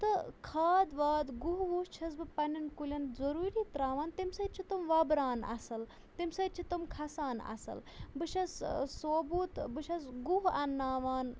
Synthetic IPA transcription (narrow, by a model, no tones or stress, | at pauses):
t̪ɨkʰaːd̪ʋaːd̪ɡuɦʋuːst͡ʃʰɐs̬bɨpɐnʲɐnkulʲɐnzɐɾuːɾiːt̪ɾaːʋaːnt̪imsɐt͡ʃʰit̪umʋɐbɾaːnɐ̰sɐl | t̪imsɐt͡ʃʰit̪umkʰɐsaːnɐ̰sɐ̰l | bɨʃɐssoːbuːt̪bɨʃɐsɡuɦɐnːaːʋaːn